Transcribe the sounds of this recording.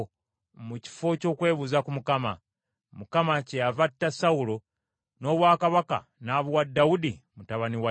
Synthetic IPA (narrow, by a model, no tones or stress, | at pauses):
muci̥fo̞co̞ːkwe̞ːβuzakumukama̰ | mukamacejavatːasaulo̞ | no̞ːβwaːkaβaka̰ | naːβuwadːaudimutaβaniwa